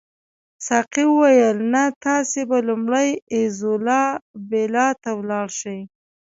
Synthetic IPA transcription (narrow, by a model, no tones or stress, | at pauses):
sɑqiwəwajəlnat̪ɑsebalʊmɽəjɪzʊlɑbelɑt̪awlɑɽʃəj